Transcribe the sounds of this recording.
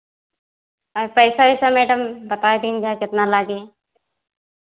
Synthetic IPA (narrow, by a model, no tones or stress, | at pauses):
apəɪsaisamɛːɖəmbət̪aːed̪iːnd͡ʒʱakɪt̪nalaːɡe